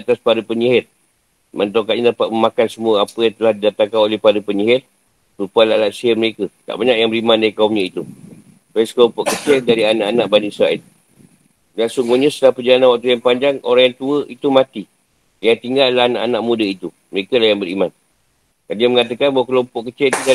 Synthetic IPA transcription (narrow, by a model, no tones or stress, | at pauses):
t̪aspaɾəpəɲiɦɪt̪̚ | mant̪okat̪̚ɲadapat̪̚məmakansəmuəapəjaŋt̪əlahdidat̪aŋkanolɛhpadəpəɲiɦɪt̪̚ | pupualalasiərməɾekət̪a̰ʔbaɲakjaŋbəɾimãndaɾikaumɲait̪u | paskəlompɔʔkət͡ʃɪldaɾianaʔanãʔbanisɾaɛl | dansuŋɡuɲãsə̥t̪əlapərd͡ʒalananwak̚t̪ujaŋpaɲd͡ʒaŋo̰ɾaŋjaŋt̪uəʔit̪umat̪i | jaŋt̪iŋɡallaɦanaʔanaʔmũdəit̪u | məɾekəlahjaŋbəɾiman | ɡandiəməŋat̪əkanbawakəlompɔʔkət͡ʃɛlit̪uda